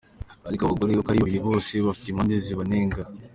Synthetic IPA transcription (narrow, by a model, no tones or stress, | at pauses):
aɾikaβaɡoɾejokaɾiββiɾiβo̞ːseβafi̥timandeziβaneːŋɡa